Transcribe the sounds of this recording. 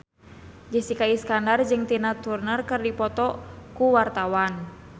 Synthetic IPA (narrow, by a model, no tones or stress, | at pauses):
d͡ʒisikaiskandard͡ʒɨŋt̪inat̪urnərkɨrdipɔt̪ɔkuwart̪awan